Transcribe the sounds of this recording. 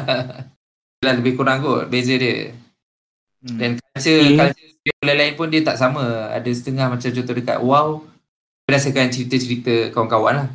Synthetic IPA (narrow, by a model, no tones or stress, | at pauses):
dəlahləbɪhkuɾaŋkoʔbezədiə̰ | dankat͡ʃəkat͡ʃə | iaəlalaɪnpʊndiət̪aʔsamə̃a̰dəsə̥t̪əŋahmat͡ʃamt͡ʃot̪odəka̰t̪̚uaw | bəɾasəkant͡ʃəɾit̪ət͡ʃəɾit̪əkawaŋkawanlah